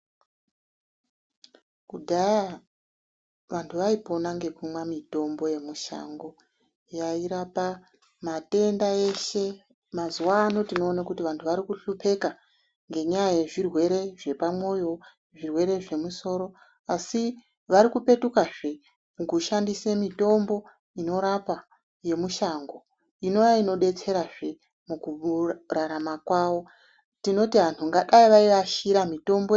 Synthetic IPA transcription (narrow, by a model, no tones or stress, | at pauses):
kudʱaja | ʋantʰuʋaipo̞naŋɡe̞kumwamito̞mbo̞je̞muʃa̰ŋɡo̞ | jaiɾapa | mate̞ndae̞ʃe̞ | mazuwaːno̞tino̞ːnakutiʋantʰuʋaɾikuɬupe̞ka | ŋɡe̞ɲajajeʐirwe̞ɾe̞ʐe̞pamwo̞jo̞ | ʐirwe̞ɾe̞ʐe̞muso̞ːɾo̞ | asi | ʋaɾikupe̞tukaʐe | mukuʃandisemito̞mbo̞ | ino̞ɾapa | je̞muʃaŋɡo̞ | ino̞jaino̞ɗe̞t͡se̞ɾaʐe̞ | mukuraɾamakwaʋo̞ | tino̞tiʋantʰuŋɡaɗaiʋaiʋaʃiɾamito̞mbo